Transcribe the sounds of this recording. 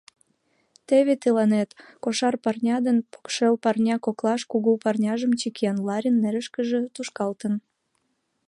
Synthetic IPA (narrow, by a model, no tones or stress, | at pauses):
t̪eβet̪əlɑnet̪koʃɑrpɑrnʲɑd̪ənpo̥kʃelpɑrnʲɑkoklɑʃkuɣupɑrnʲɑʒəmt͡ɕikiɑnlɑɾʲənːeɾəʃkəʒĕt̪uʃkɑlt̪ən